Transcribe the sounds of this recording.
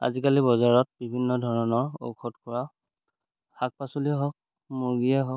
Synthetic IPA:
a̰zikalibɔzaɹɔt̚bibʱinːɔdʱɔɹɔnɔɹo̰kʰɔtkɔɹa | hak̚pasuliɛɦɔk̚ | muɹɡijaɦɔk̚

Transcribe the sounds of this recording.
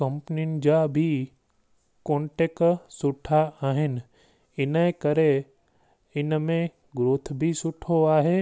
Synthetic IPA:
kɐ̃mpninɪ̆d͡ʒabʱi | kõːɳʈeksʊʈʰaaːɦɪnɪ | ɪnekɐɾe | ɪnmẽ | ɡɾʊt̪ʰbʱisʊʈʰoaːɦeː

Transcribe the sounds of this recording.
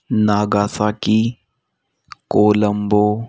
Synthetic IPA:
naːɡaːsaːki | koːləmboː

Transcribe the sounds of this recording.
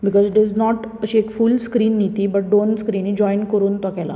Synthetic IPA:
bikɔzɖeznɔʈ | əɕiekfulskɾiːnːit̪ibəʈ̚ɖonskɾiːnid͡ʑɔjnkəɾuːnt̪ɔkɛla̰

